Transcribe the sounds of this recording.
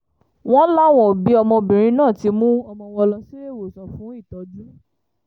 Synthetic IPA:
w̃ɔ̃˦la˦w̃ɔ̃˨bi˨˦ɔ˧mɔ̃˧bĩ˨ɾ̃ĩ˨˦nãː˦˨ti˧˦mũ˦ɔ˧mɔ̃˧wɔ˧lɔ̃˧si˦ɾe˦˨wo˨sɔ̃˨fũ˨˦i˦˨tɔ˨˦di˦

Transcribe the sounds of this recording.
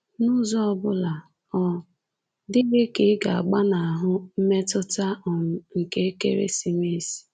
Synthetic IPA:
nʊ˦zɔ˦ɔ˦bʊ˦la˨ | ɔ˦ | dɪ˦ɾe˦ke˨˦ɡa˨a˨ɡ͡ba˦na˨a˨ɦʊ˦m̩˦me˦tʊ˦ta˦ɔ˨m̩˦ŋ̩˨ke˦kḛ˦ɾḛ˦si˨me˦si̥˨˦

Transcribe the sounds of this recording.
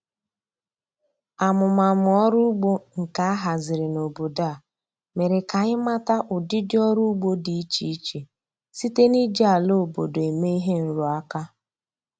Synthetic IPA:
a˨mʊ˨ma˨mʊ˨ɔ˦ɾʊ˦ɡ͡bo˦ŋ̩˨ka˨a˦ɦa˨zɪ˨ɾɪ˨no˨bo˨da˦˨ | me˨ɾe˨ka˨ɲɪ˦ma˦ta˦ʔʊ˨dɪ˦dɪ˦ɔ˦ɾu˦ɡ͡bo˦di˨i˦t͡ʃi˦i˦t͡ʃe˨ | si˦te˦ni˦d͡ʒe˦a˨lo˦˨bo˨do˨e˨me˦i˦ɦe˦n̩˨ɾʊ˨a˦ka˦

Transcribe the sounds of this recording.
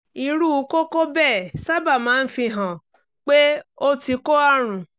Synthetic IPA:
i˧ɾu˦˨˦ko˦ko˦bɛː˦˨sa˦ba˦˨mãː˨˦n̩˦fĩ˧ɦã˨ | k͡pe˦o˦ti˧ko˦a˦ɾ̃ũ˨

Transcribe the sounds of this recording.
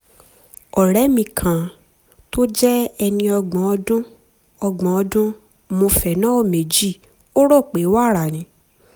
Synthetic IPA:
ɔ˨ɾɛ˨˦mĩ˧kʰã˨ | to˦d͡ʒɛ˦ɛ˧nĩ˧ɔ˧ɡ͡bã˨ɔ˧dũ˦ | ɔ˧ɡ͡bã˨ɔ˧dũ˦ | mõ˧fɛ˨nã˨˦o˦˨me˨d͡ʒi˦˨ | o˦ɾɔ˦˨k͡pe˨˦wa˦˨ɾa˨nĩ˨˦

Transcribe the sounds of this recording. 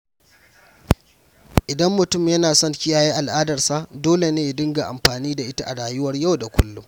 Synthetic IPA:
ʔɪ˨dɐ˦mːʊ˨tʊ˦˨mjɐ˦naː˨sɔ˦ŋkʲɪ˦jaː˨ji˦ʔa˨lʔaː˦dɐ˨rsa˦doː˦le˨neː˦jdɪ˦ŋɡa˨ʔa̰˨mɸaː˨niː˦da˨ʔɪ˦ta˦ʔa̰˨ɽaː˨jʊ˦wɐ˦rja˦˨wda˨kʷʰʊ̰˦lːʊ̰˦m

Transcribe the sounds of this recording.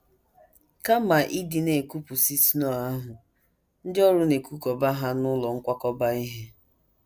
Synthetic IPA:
ka˦ma˨ʔi˦di˨ne˨ku˦pu˨si˦si˦nɔ˦a˦ɦʊ˨ | n̩˦dɪ˦ɔ˦ɾʊ˦ne˨ku˦kɔ˨ba˦ɦa˦nʊ˦lɔ˨ŋ̩˦kʷa˦kɔ˦ba˦i˦ɦe˦

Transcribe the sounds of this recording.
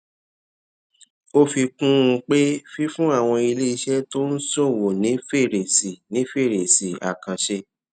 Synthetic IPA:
o˦fi˧kũ˦ũ˧k͡pe˦fi˦fũ˦a˦˨w̃ɔ̃˧i˧le˦i˧ʃɛ˦to˦n̩˦so˦˨wo˨nĩ˨˦fe˦˨ɾe˨si˨nĩ˨˦fe˦˨ɾe˨si˨a̰˨kã˨ʃe˧

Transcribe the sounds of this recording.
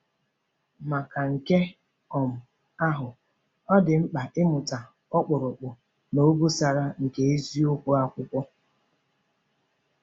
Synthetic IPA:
ma˨ka˨ŋ̩˨ke˦ | ɔ˨m̩˨ | a˦ɦʊ˨ | ɔ˦dɪ˨m̩˦k͡pa˨ʔɪ˦mʊ˨ta˨ | ɔ˦k͡pʊ˨ɾʊ˨k͡pʊ˨ | no˨o˦ɡo˦sa˨ɾa˦ŋ̩˨ke˨e˦zi˦o˦kʷu˦a˦kʷʊ˦kʷɔ˦

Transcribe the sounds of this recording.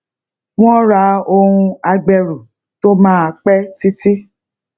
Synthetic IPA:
w̃ɔ̃˦ɾa˧˦o˧ɾũ˧a˧ɡ͡bɛ˧ɾu˨ | to˦mãː˦a˧k͡pɛ˦ti˦ti˦

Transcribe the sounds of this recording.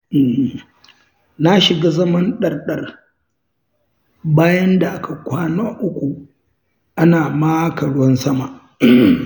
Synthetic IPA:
ʔ̩˨ | na˦ʃɪ˨ɡaː˦zɐ˦mɐ˦nɗɐ˨rɗɐ˦r | baː˦jɐ˦nda˨ʔa˦ka˨kʷaː˦noː˦ʔʊ˦kʷu˨ | ʔa˦naː˨ma˦kɐ˨ɽwɐ˦nsɐ˦ma˨ʔ

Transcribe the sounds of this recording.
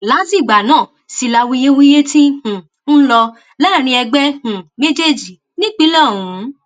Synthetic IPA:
la˨˦ti˦˨ɡ͡ba˨nãː˦˨ | si˨˧la˧wi˧je˦wi˦je˦tĩ˦hũ˨ | n̩˦lɔ˧ | la˦˨ɾ̃ĩ˧ɛ˧ɡ͡bɛ˦hũ˨me˦d͡ʒe˦˨d͡ʒi˨ | nĩ˦k͡pi˦lɔ˦˨ũ˨˦

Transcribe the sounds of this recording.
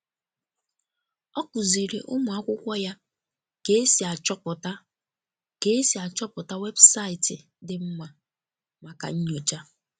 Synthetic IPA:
ɔ˦kʊ˨zi˨ɾi˨ʔʊ˦mʊ˨a˦kʷʊ˦kʷɔ˦ja˦ | ke˦si˨a˨t͡ʃɔ˦pʊ˨ta˦ | ke˦si˨a˨t͡ʃɔ˦pʊ˨ta˦we˦bsa˦ɪ˨tɪ̰˨ | dɪ˨m̩˦ma˨ | ma˨ka̰˨ɲ̩˦ɲo˨t͡ʃa˦

